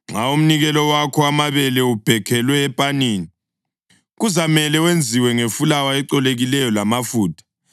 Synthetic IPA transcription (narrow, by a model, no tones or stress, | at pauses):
ŋ͡ǁaum̩niɣɛlɔwakʰɔamaβɛlɛub̥ʱɛkʰɛlwɛːpʼaniːni | ɣuzamɛlɛwend͡zʱiwɛŋefulawaɛǀɔleɣilɛjɔlamafuːtʰʼḁ